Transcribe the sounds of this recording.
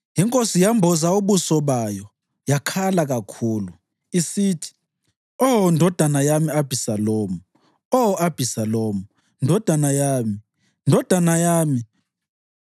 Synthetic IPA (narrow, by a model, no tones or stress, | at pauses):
ɦiŋkʼosijambʱɔzauɓusɔɓajɔ | jakʰalaɣ̬akʰuːlu | isiːtʰi̥ | ɔndʱɔd̥ʱanajamiab̥ʱisaloːmu | ɔab̥ʱisaloːmu | ndʱɔd̥ʱanajaːmi | ndʱɔd̥ʱanajaːmi